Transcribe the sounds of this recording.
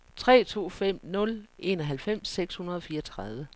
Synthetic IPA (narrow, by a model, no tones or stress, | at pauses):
t͡sʰʁɛ̰ːt͡sʰo̝̰ːfem̰nɔ̽lʔe̝nɒɦælfem̰sːeɡ̥shunɐð̞ˠɒ̽fiːɐt͡sʰʁaðˠʋə